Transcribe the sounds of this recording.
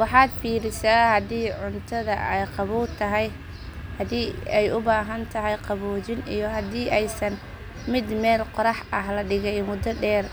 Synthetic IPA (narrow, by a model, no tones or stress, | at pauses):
wɑħɑːd̪fiːɾɪsaːhɐd̪iːʕʊnt̪ʰɐðɐʔɛjqɑβuːlt̪ʰɐɦɛj | hɐd̪iːɛjʔʊbaːɦɐnt̪ʰɐɦɛjqɑβuːt͡ʃɪnḭjɞɦɐd̪iːʔɛjsɐn | mɪd̪mɛːlqɔɾɑħɐɦlɐɖɪɣɛjmʊd̪ɐɖɛːr